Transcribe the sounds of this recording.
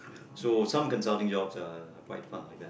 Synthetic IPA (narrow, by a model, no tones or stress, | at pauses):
sosʌ̃mkə̃nsʌlˠtɪ̃ŋd͡ʒɔbzəːkʰw̥aɪtfʌ̰̃nlaɪk̚ðæ